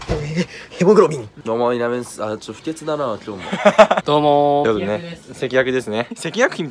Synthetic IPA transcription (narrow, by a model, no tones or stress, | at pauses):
eheboɡɯ̟ɾomʲĩɲid̪oːmoinamẽsat͡ɕoɸɯ̟t̪ʲet͡sɨd̪anak̪omod̪̥oːmojonese̞kʲijakɯ̟d̪e̞sɨnese̞kʲijakɯ̟çĩ